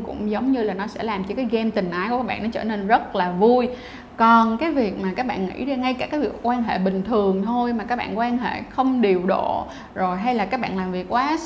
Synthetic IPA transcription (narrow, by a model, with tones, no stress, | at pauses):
kʊ̰˧˥ŋ͡mzə˨˦wŋ͡mɲɨ˧laː˨˩nɔ˨˦sɛ̰˧˥laː˨˩mt͡ɕɔ˧kaː˨˦jɣɛ˧mt̪ï˨˩ŋ̟ʔaː˨˦ju˧˩kːaː˦˥ɓaː˧˨nːɔ˨˦t͡ɕəː˧˩ne˧nzə˦˥t̚laː˨˩vu˧j | kɔ˨˩nkaː˨˦jvi˨˩ək̚maː˨˩kaː˦˥k̚ɓa̰ː˧˨nŋḭ˧˥˧ŋa˧jkaː˧˩kaː˨˦jvi˨˩ək̚ːwaː˧nɦḛ˧˨ɓï˨˩ŋ̟t̪ʰɨ˨˩əŋt̪ʰo˧jmaː˨˩kaː˦˥k̚ɓa̰ː˧˨nkwaː˧nɦḛ˧˨xə˧wŋ͡mɗi˨˩əwɗo̰˧˨ | zo˨˩jɦa˧jlaː˨˩kaː˦˥k̚ɓa̰ː˧˨nlaː˨˩mvi˨˩əkːwaː˨˦